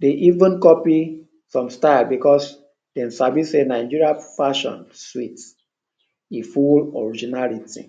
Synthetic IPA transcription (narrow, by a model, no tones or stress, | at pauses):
deʔivũnkɔpi | sɔ̃mstaɪlbikɔs | d̥ɛ̃nsabisenaɪ̃d͡ʒiɹiafaʃɔ̰̃nswit | ifulɔ̰ɹid͡ʒinalitḭ